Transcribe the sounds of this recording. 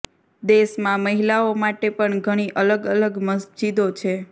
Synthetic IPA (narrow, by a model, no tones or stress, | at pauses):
d̪eʃmãməɦilaomaʈepəɳɡʱəɽ̃iʔələɡələɡməsd͡ʒid̪ot͡ʃʰe